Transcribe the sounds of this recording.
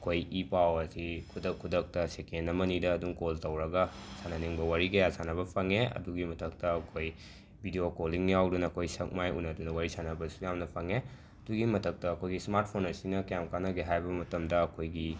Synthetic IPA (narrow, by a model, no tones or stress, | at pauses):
ɐkʰojipawɐsikʰudɐkʰːudɐk̚tɐsekenːɐmɐnidɐːduŋkoltɐwɾɐɡɐsanɐniŋbɐwaɾiɡɐjasanɐbɐpʰɐŋeɐ̰duɡimɐtʰɐk̚tɐːkʰoj | bʱidiokoliŋjawdunɐːkʰojsɐk̚majṵnɐdunɐwaɾisanɐbɐsujamnɐpʰɐŋe | ɐduɡimɐtɐk̚tɐːkʰojɡismaɾt̚pʰonɐsiŋnɐkjamkanɐɡeɦajbɐmɐtɐmdɐːkʰojɡi